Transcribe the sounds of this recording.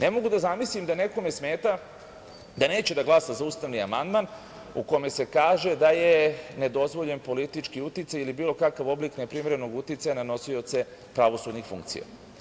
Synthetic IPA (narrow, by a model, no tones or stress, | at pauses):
ne̞mo̞ɡud̪azamislimd̪ane̞ko̞mesme̞ːt̪a | d̪ane̞ːt͡ɕed̪aɡlˠasazauːst̪aʋniamand̪man | ṵko̞me̞se̞kaːʒe̞d̪ajene̞d̪o̞zʋo̞ʎe̞npo̞lit̪it͡ʃkiut̪it̪sajilibiːlˠo̞kakaʋo̞bliknepɾimeɾeno̞ɡut̪it̪sajanano̞sio̞t̪se̞ | pɾaʋo̞sud̪nixfṵŋkt̪sḭja̰